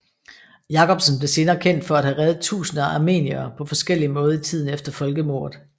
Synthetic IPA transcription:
jɑ̈kɒ̽b̥sn̩b̥le̝se̝ːnɐːkʰen̰d̥fɒ̽æd̥hæʁɛðð̩ˠt͡sʰṵːsnɐɑme̝̰ːniɐːpʰɒ̽fɒ̽sɡ̥el̰imɔ̽ːð̞ˠɐit͡sʰið̞̰ˠn̩efd̥ɐfɒ̽lɡ̥əmo̝̰ːɐ̰ð̩ˠ

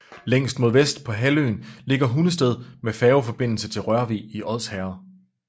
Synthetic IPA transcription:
leŋ̰sd̥̚mo̝ð̞ˠʋesd̥pʰɒ̽ɦælø̰ːnle̝ɡ̥ɐɦunəsd̥eð̞̰ˠmefɛːʊfɒ̽b̥e̝n̰l̩sət͡sʰe̝lʁɶɐʋḭiʔɒ̽ð̰ˠshæːɐ

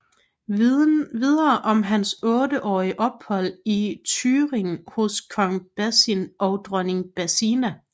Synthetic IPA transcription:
ʋiðˠɐːʔɒ̽mɦænsɔ̽ːɾəʔɒ̰ːiəʔɒ̽b̥hɒ̽l̰it͡sʰyːʁeŋhoskʰɒ̽ŋb̥æsinʔɒʊd̥ʁœne̝ŋb̥æsinæ

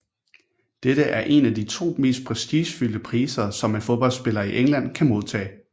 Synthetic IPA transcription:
d̥edəʔæɐʔe̝næd̥it͡sʰo̝̰ːme̝̰ːsd̥̚pʰʁɛsd̥iːɕfyl̰d̥əpʰʁiːsɐsɒ̽mænfo̝ðˠb̥ɒ̽l̰sb̥e̝lɐiʔeŋlæn̰kʰæmo̝ð̞ˠt͡sʰɛ̰ː

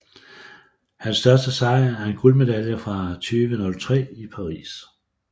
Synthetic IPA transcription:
hænsd̥ɶɐsd̥əsɑ̈ɪæɐe̝nɡ̥ulme̝d̥æljəfʁɑ̈t͡sʰyːʋənɔ̽lt͡sʰʁɛ̰ːipʰɑ̈ʁḭːs

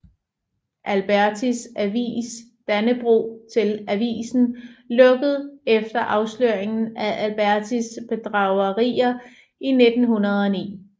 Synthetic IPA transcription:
ʔælb̥æɐt͡sʰisæʋḭːs | d̥ænəb̥ʁṵːt͡sʰe̝læʋḭːsn̩lɔ̽ɡ̥əð̞̩ˠefd̥ɐʔɑ̈ʊsløːɐ̰eŋn̩æʔælb̥æɐt͡sʰisb̥e̝d̥ʁɑ̈ʊɐʁḭːɐ | ine̝d̥n̩hunɐð̞ˠɒ̽nḭː

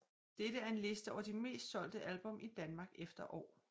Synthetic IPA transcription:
d̥eɾ̥əæɐe̝nle̝sd̥əɒʊɐd̥ime̝̰ːsd̥sɒ̽l̰d̥əʔælb̥ɔ̽mid̥ænmɑ̈ːɡ̥efd̥ɐʔɒ̰ː

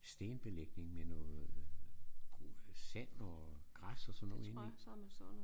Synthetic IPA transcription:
sd̥e̝ːnb̥e̝leɡ̥ne̝ŋmenɔːð̩ˠ | ɡ̥sæn̰ɒɡ̥ʁasɒsɒnːɔ̰ːeni

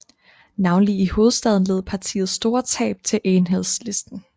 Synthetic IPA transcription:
nɑ̈ʊnliiho̝ːð̞̩ˠsd̥ɛðˠn̩leːð̞̩ˠpʰɑ̈t͡sʰḭːð̞̩ˠsd̥o̝ːɐt͡sʰɛ̰ːb̥̚t͡sʰe̝lʔenɦeð̰ˠsle̝sd̥n̩

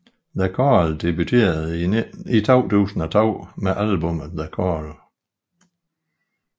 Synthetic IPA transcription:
ðækʰɒːld̥ebyt͡sʰe̝̰ːɐðˠit͡sʰɒʊ̰t͡sʰṵːsn̩æt͡sʰɒʊ̰meʔælbɔmðækʰɔl

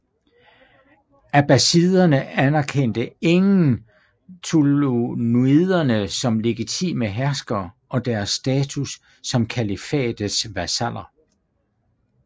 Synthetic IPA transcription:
æb̥æsiðˠɐnəænæɐkʰen̰d̥əe̝ŋn̩ | t͡sʰulonuiðˠɐnəsɒ̽mle̝ɡ̥it͡sʰḭːməɦæɐsɡ̥ɐʔɒ̽d̥æɐsːd̥ɛːt͡sʰusː | ɒ̽mkʰælifɛ̰ːd̥əsʋæsæl̰ɐ

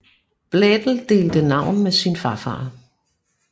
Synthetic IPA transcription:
b̥led̥l̩d̥e̝̰ːld̥ənɑ̈ʊ̰nmesinfɑ̈fɑ̰̈ː

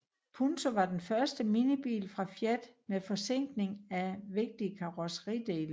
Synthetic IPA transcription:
pʰunt͡sʰo̝ʋɑ̈d̥enfɶɐsd̥əminəb̥ḭːlfʁɑ̈fjed̥mefɒ̽seŋ̰ɡ̥ne̝ŋæʋe̝ɡ̥̚d̥iəkʰɑ̈ʁosə̥ʁḭd̥e̝̰ːlə

